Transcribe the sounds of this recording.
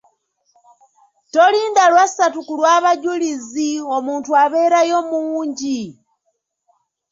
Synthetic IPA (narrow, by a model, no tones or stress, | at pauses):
to̞liːndalwasatukulwaːβaɟulizio̞muːntuaβe̞ːɾajomuːɲɟi